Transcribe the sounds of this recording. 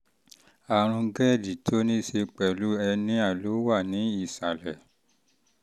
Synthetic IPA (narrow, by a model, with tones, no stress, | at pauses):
a˨ɾ̃ũ˧ɡɛ˦˨di˨tʰo˦nĩ˦se˧k͡pɛ˨lu˨˦ɛ˧nĩ˦a˦˨lo˨˦wa˦˨nĩ˨˦i˦˨sa˨lɛ˨